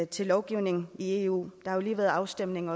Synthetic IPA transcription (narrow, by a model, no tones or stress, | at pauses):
t͡sʰe̝lːɒʊɡ̥iʊne̝ŋn̩ie̝ṵːd̥ɑ̈hɑjo̝liːʋeːð̩ˠɑ̈ʊsd̥em̰ne̝ŋɒ̽